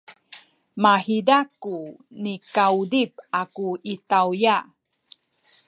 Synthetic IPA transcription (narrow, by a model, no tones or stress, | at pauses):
mahidakunikawudip̚akuitawja